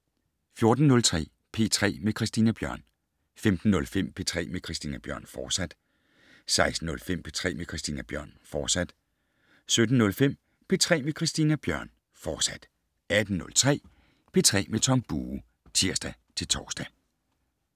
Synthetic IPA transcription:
fjo̝ɐd̥n̩ːɔ̽lt͡sʰʁɛ̰ː | pʰe̝ːt͡sʰʁɛ̰ːmekʰʁisd̥iːnæb̥jɶɐ̰n | femd̥n̩ːɔ̽lfem̰pʰe̝̰ːt͡sʰʁɛ̰ːmekʰʁisd̥iːnæb̥jɶɐ̰nfɒ̥ːsæd̥ | sɑ̈ɪsd̥n̩ɔ̽lfem̰pʰe̝t͡sʰʁɛ̰ːmekʰʁisd̥iːnæb̥jɶɐ̰nfɒ̥ːsæd̥ | sød̥n̩ːɔ̽lfem̰ | pʰe̝ːt͡sʰʁɛ̰ːmekʰʁisd̥iːnæb̥jɶɐ̰n | fɒːsæd̥ | æd̥n̩nːɔ̽lt͡sʰʁɛ̰ː | pʰe̝̰ːt͡sʰʁɛ̰ːmet͡sʰɒ̽mb̥uː | t͡sʰiɐ̰sd̥æt͡sʰe̝lt͡sʰɒːsd̥æ

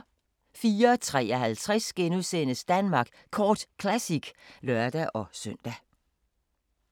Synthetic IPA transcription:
fiːɐt͡sʰʁɛ̰ːɒɦælt͡sʰʁɛsɡ̥enuðˠseːnəsd̥ænmɑ̈ːɡ̥ | kʰɒːd̥kʰlæsiɡ̥lœɐd̥æʔɒ̽søn̰d̥æ

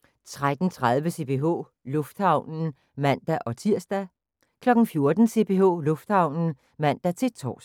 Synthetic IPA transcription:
t͡sʰʁad̥n̩t͡sʰʁað̞ˠʋəse̝b̥ʰe̝ɦo̰ː | lɔ̽fd̥hɑ̈ʊ̰nn̩ | mæn̰d̥æʔɒ̽t͡sʰiɐ̰sd̥æ | kʰlɒ̽ɡ̥n̩fjo̝ɐd̥n̩se̝b̥ʰe̝ɦo̰ːlɔ̽fd̥hɑ̈ʊ̰nn̩ | mæn̰d̥æt͡sʰe̝̥t͡sʰɒ̰ːs

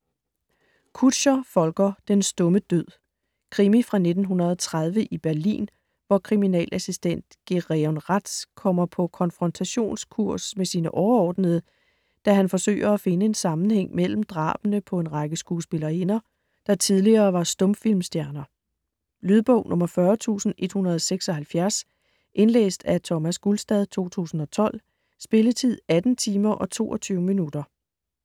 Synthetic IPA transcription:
kʰud̥ɕɐfɒ̽lɡ̥ɐd̥ensd̥ɔ̽məd̥øð̰ˠ | kʰʁimifʁɑ̈ne̝d̥n̩ɦunɐð̞ˠɒt͡sʰʁað̞ˠʋəʔib̥æɐlḭːn | ʋɒkʰʁiminɛ̰ːlʔæsisd̥en̰d̥ɡ̥eʁeɒnʁad̥skʰɒ̽m̰ɐpʰɒ̽kʰɒ̽nfʁɒ̽nt͡sʰæɕo̝̰ːnskʰuɐ̰smesiːnəʔɒʊɐɒːd̥nəðˠə | d̥æɦænfɒ̽sø̰ːɪɐæfe̝nəe̝nsɑ̈mn̩heŋ̰mel̰m̩d̥ʁɑ̰̈ːb̥ənəpʰɒ̽e̝nʁɑ̈ɡ̥əsɡ̥uːsb̥e̝lɐːenɐ | d̥ɑ̈t͡sʰiðˠliɐːʋɑ̈sd̥ɔ̽mfil̰msd̥jæɐnɐ | lyːðˠb̥ɔ̽ʊ̰nʔɔ̽mɐfɶɐt͡sʰṵːsn̩ʔe̝d̥hunɐðˠɒseɡ̥sɒ̽hælfjæɐs | ʔe̝nlḛːsd̥æt͡sʰɒ̽mæsɡ̥ulsd̥ɛð̞ˠt͡sʰo̝̰ːt͡sʰṵːsn̩ɒ̽t͡sʰɒ̽l̰ | sb̥e̝lət͡sʰið̞̰ˠæd̥n̩t͡sʰiːmɐʔɒ̽t͡sʰo̝̰ːʔɒt͡sʰyːʊəminud̥ɐ

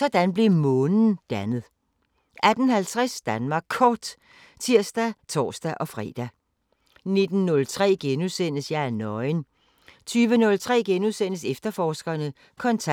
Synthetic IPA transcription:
sɒ̽d̥ænb̥le̝mɔːnnn̩d̥ænəð̩ˠ | ʔæd̥n̩hælt͡sʰʁasd̥ænmɑ̈ːɡ̥ʰɒːd̥ | t͡sʰiɐ̰sd̥æt͡sʰɒ̰ːsd̥æʔɒ̽fʁɛ̰ːd̥æ | ne̝d̥n̩nɔ̽lt͡sʰʁɛ̰ːɡ̥enuðˠsen̰əsjɑɪæɐnɒ̽ɪn | t͡sʰyːʋənɔ̽lt͡sʰʁɛ̰ːɡ̥enuðˠsen̰əsefd̥ɐfɒːsɡ̥ɐnə | kʰɒ̽nʰ

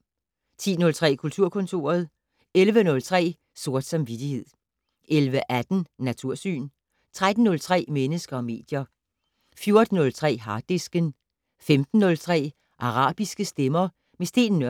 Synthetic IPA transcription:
t͡sʰḭːnɔ̽lt͡sʰʁɛ̰ːkʰult͡sʰuɐ̰kʰɔ̽nt͡sʰo̝̰ːɐð̞̩ˠ | elʋənɔ̽lt͡sʰʁɛ̰ː | so̝ɐ̰d̥sɑ̈mʋid̥ihe̝ð̞̰ˠ | ʔelʋəʔæd̥n̩nːæt͡sʰuɐ̰sy̰ːn | t͡sʰʁad̥n̩ːɔ̽lt͡sʰʁɛ̰ːmenəsɡ̥ɐɒ̽me̝̰ːd̥jɐ | fjo̝ɐd̥n̩ɔ̽lt͡sʰʁɛ̰ːɦɑ̈d̥esɡ̥ən | femd̥n̩ːɔ̽lt͡sʰʁɛ̰ː | ʔɑ̈ʁɑ̰̈ːb̥isɡ̥əsd̥emɐ | mesd̥e̝̰ːnːɶ

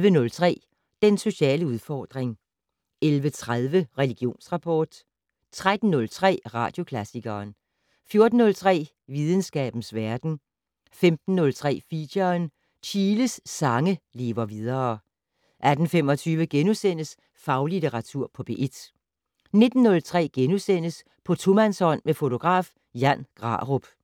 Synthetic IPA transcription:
ʋənɔ̽lt͡sʰʁɛ̰ː | d̥enso̝ɕɛ̰ːləuðˠfɒ̰ːd̥ʁeŋ | elʋət͡sʰʁaðˠʋəʁɛliɡ̥jo̝̰ːnsʁɑ̈pʰɒ̰ːd̥ | t͡sʰʁad̥n̩ːɔ̽lt͡sʰʁɛ̰ːʁɑ̰̈ːd̥jo̝kʰlæsiɡ̥ɐːn | fjo̝ɐd̥n̩ːɔ̽lt͡sʰʁɛ̰ː | ʋið̞ˠn̩sɡ̥ɛ̰ːb̥n̩sʋæɐd̥n̩ | femd̥n̩ːɔ̽lt͡sʰʁɛ̰ːfidɐn | t͡ɕʰiːləsːɑ̈ŋəle̝ːʋɐʋið̞ˠɐ | ʔæd̥n̩femɒ̽t͡sʰyːʋəɡ̥enusen̰əs | fɑ̈ʊlideʁɑ̈t͡sʰuɐ̰pʰɒ̽b̥e̝ʔed̥ | ne̝d̥n̩ːɔ̽lt͡sʰʁɛ̰ːɡ̥enusen̰əs | pʰɒ̽t͡sʰomænsɒ̽n̰mefo̝t͡sʰo̝ɡ̥ʁɑ̰̈ːf | jænɡ̥ʁɑ̰̈ʁob̥

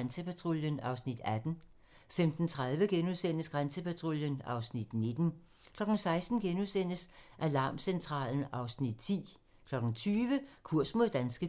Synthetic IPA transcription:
nsəpʰæt͡sʰʁoljənɑ̈ʊsnid̥æd̥n̩ | femd̥n̩t͡sʰʁaðˠʋəɡ̥enusen̰əsɡ̥ʁansəpʰæt͡sʰʁoljənɑ̈ʊsnid̥ne̝d̥n̩ | kʰlɒ̽ɡ̥ŋ̩sɑ̈ɪsd̥n̩ɡ̥enusen̰əsʔælɑ̈ːmsent͡sʰʁɑ̰̈ːln̩ɑ̈ʊsnid̥t͡sʰḭː | kʰlɒ̽ɡ̥n̩t͡sʰyːʋəkʰuɐ̰smo̝ðˠd̥ænsɡ̥ə

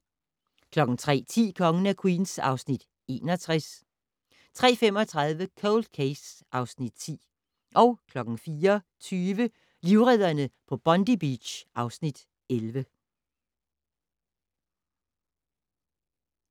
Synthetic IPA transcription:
kʰlɒ̽ɡ̥ŋ̩t͡sʰʁɛ̰ːt͡sʰḭːkʰɒ̽ŋənækʰwḭːnsɑ̈ʊsnid̥ | e̝̰ːnɒt͡sʰʁas | t͡sʰʁɛ̰ːfemɒ̽t͡sʰʁɑ̈ð̞ˠʋəkʰoʊld̥̚kʰeɪsʔɑ̈ʊsnid̥t͡sʰḭː | ʔɒ̽ʊkʰlɒ̽ɡ̥ŋ̩fiːɐ | t͡sʰyːʋə | liʊʁɛð̰ˠɐnəpʰɒ̽b̥ɒ̽nd̥ib̥id̥ɕʔɑ̈ʊsnid̥ | elʋə

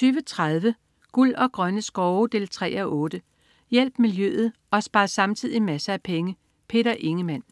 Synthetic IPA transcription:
t͡syːʋət͡sʰʁað̞ˠʋə | ɡ̥ul̰ɒ̽ɡ̥ʁɶnəsɡ̥ɒʊd̥e̝ːlt͡sʰʁɛ̰ːɒʔɔ̽ːd̥ə | jel̰b̥miljø̰ːð̞̩ˠ | ɒ̽sb̥ɑ̈ːsɑ̈mt͡sʰið̰ˠimæsəæpʰeŋə | pʰe̝̰ːɾɐʔe̝ŋəmæn̰

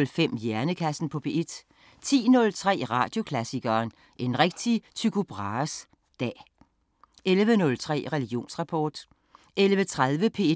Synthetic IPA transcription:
lfem̰jæɐnəkʰæsn̩pʰɒ̽pʰe̝ʔed̥ | t͡sʰḭːnɔ̽lt͡sʰʁɛ̰ːʁɑ̈d̥jo̝kʰlæsiɡ̥ɐːn | ʔe̝nʁɛɡ̥̚d̥it͡sʰykʰub̥ʁɑ̈ːs | d̥ɛ̰ː | elʋənɔ̽lt͡sʰʁɛ̰ːʁɛliɡ̥jo̝̰ːnsʁɑ̈pʰɒːd̥ | elʋət͡sʰʁaðˠʋəpʰe̝

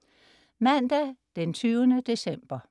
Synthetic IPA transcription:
mænd̥æd̥ent͡sʰyːʊənəd̥e̝sem̰b̥ɐ

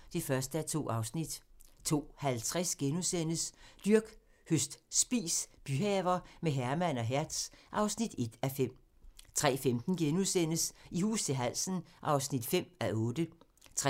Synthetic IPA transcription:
d̥ifɶɐsd̥əæɐt͡sʰo̝̰ːʔɑ̈ʊsnid̥t͡sʰo̝̰ːhælt͡sʰʁɛsɡ̥enusen̰əsd̥yɐɡ̥ | høsd̥sb̥ḭːsb̥yɦɛːʊɐmeɦæɐmæn̰ɒ̽ɦæɐd̥sʔɑ̈ʊsnid̥e̝d̥æfem̰ | t͡sʰʁɛ̰ːfemd̥n̩ɡ̥enusen̰əsihṵːst͡sʰe̝ɦæl̰sən̩ʔɑ̈ʊsnid̥fem̰æʔɔ̽ːd̥ə | t͡sʰʁ

